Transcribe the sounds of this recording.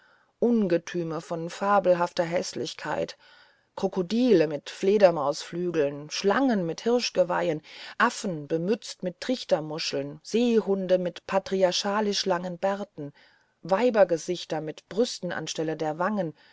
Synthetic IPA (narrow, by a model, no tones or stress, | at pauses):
ʔʊnɡətʰyːməfɔnfaːbl̩ɦaftɐɦɛslɪçkʰa̰ɪt | kʁ̥okodiːləmɪtfleːdɐmaʊsflyːɡl̩nʃla̰ŋənmɪthɪɐʃɡ̥əva̰ɪənʔafn̩b̥əmʏt͡stmɪtʰːʁ̥ɪçtɐmʊʃl̩nz̥eːhʊndəmɪtpʰatʁ̥iaɐʃaːlɪʃlaŋənbɛɐtn̩ | vaɪbɐɡəzɪçtɐmɪtb̥ʁʏstn̩a̰nʃtɛlədeːɐvaŋən